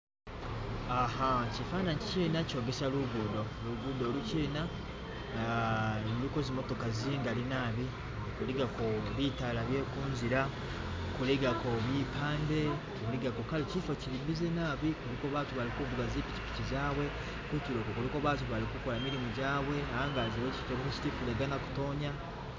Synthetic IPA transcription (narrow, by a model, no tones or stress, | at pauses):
aɦacifaːnaɲiciːnaco̞ːɡe̞saluɡudo̞luɡudo̞luciːna | ɾikozimo̞to̞kaziŋɡalinaːβi | kuliɡakoβitalaβjeːkuːnziɾa | kuliɡako̞βiːpʰaːnde̞ | kuliɡakokalicifociɾiβizenaːβikuɾikoβaːtuβaɾikuvuɡaziːpici̥pi̥cizaːwe̞ | kuciɾokokuɾikoβaːt̬uβaɾikukolamiɾimuɟaːwe̞ahaːŋɡaziweci̥fcokofeci̥tifuleɡanaku̥to̞ːɲa